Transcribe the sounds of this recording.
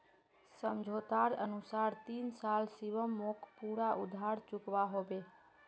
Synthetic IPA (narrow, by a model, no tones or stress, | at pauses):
səmd͡ʒʱot̪aɾənusaɾt̪insalsiʋəmːokʰpuɽaʔud̪ʱaɽt͡ʃukʋaɦoʋe